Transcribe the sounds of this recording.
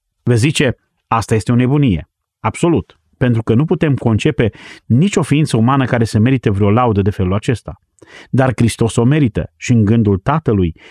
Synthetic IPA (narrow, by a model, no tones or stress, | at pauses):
vezit͡ʃe̞ | ast̪aje̞st̪eo̞ne̞bunije̞̰ | ab̥so̞lut̪ | pe̞nt̪ɾukənuput̪e̞mko̞nt͡ʃe̞pe̞nit͡ʃʲo̞fiint̪səumanəkaɾe̞seme̞ɾit̪əvɾʲeo̞laud̪əd̪e̞fe̞lulat͡ʃe̞st̪a | d̪arkɾist̪o̞so̞me̞ɾit̪ə̰ʃiɨŋɡɨnd̪ult̪at̪əluj